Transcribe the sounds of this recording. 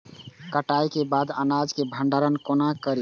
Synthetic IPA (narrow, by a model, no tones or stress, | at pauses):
kəʈajkebad̪ənad͡ʒkebʱəɳɖaɾənkonakəɾi